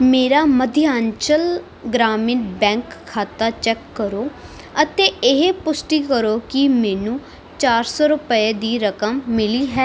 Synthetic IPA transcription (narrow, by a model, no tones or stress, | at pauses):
meːɾaːməd̪ʱɪaːɲt͡ʃəl | ɡɾaːmɪnbɛ̃ːŋkʰːaːt̪aːt͡ʃɛːkːəɾoː | ət̪eːɪɦepʊsʈiːkəɾoːkɪmɛːnũː | t͡ʃaːɾsɔːɾʊpəeːd̪iːɾəkəmːɪliːɦɛː